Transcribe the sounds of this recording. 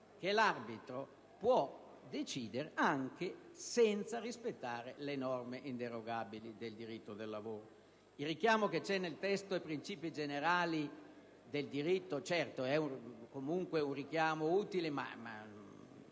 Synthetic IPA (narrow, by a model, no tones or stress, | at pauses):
k̟elarbit̪ɾo | pwɔ | d̪et͡ʃiːd̪eɾeaŋkesɛnt̪sarispet̪ːaːɾelenɔrmeʔint̪eɾoɡaːbilid̪eld̪iɾit̪ːod̪elːavoːɾo | ilrikjaːmoket͡ʃɛnːelt̪ɛst̪oɛpːɾint͡ʃiːpid͡ʒeneɾaːli | d̪eld̪iɾit̪ːot͡ʃɛrt̪oɛukomuŋkweunrik̟jaːmouːt̪ilema̰ma̰